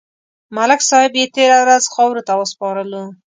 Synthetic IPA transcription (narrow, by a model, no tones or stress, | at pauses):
malɪksɑhɪbjet̪eɾawɾazxɑwɾot̪awəspɑɾəlo